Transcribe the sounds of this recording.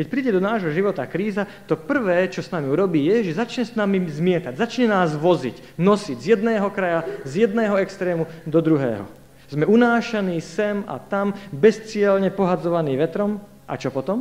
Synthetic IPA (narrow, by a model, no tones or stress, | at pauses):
kɛc̚pɾiːɟɛd̪ɔnaːʒɦɔʒiʋɔt̪akɾiːzat̪ɔpr̩ʋɛːt͡ʃɔsnamiuɾɔbiːjɛʒɛzat͡ʃɲɛsnamizmɪɛt̪aɟzat͡ʃɲɛnaːzʋɔzḭc | nɔsiɟzjɛd̪nɛːɦɔkɾajazjɛd̪̚nɛːɦɔɛkst̪ɾɛːmud̪ɔd̪ɾuɦɛ̰ːɦɔ̰ | z̥mɛunaːʃaniːsɛma̰t̪ambɛst͡sɪɛlɲɛpɔɦad͡zɔʋaniːʋɛt̪ɾɔm | ʔa̰t͡ʃɔpɔt̪ɔm